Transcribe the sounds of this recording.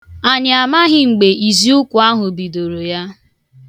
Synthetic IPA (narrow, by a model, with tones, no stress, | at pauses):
a˨ɲɪ˨a˨ma˦ɦɪ˨ŋ͡m̩˨ɡ͡be˨i˨zi˦ʊ˦kʷʊ˨a˦ɦʊ˨bi˨do˨ɾo˨ja˦